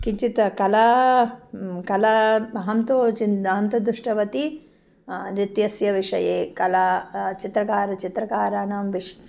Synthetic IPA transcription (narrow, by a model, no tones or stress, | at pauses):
kiɲt͡ʃit̪ɐkɐlɐ | kɐlɐbɐɦɐmt̪oːt͡ʃindaːɐnt̪ɐd̪ɾuʂʈɐʋɐt̪i | ɾit̪jɐsjɐʋiʂɐ̰jeːkɐlat͡ʃit̪ɾɐkaːɾɐt͡ʃit̪ɾɐkaːɾaːnamʋiʂ